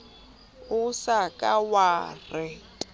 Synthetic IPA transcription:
ʊsakʼawaːrɪ

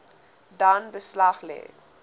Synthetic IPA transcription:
daːnbəslaχlɛ̰ː

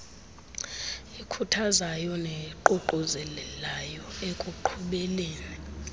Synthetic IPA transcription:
ekʰutʰazajɔneǃuǃuzɛlɛlajɔekʼuǃʰuɓɛːleːni

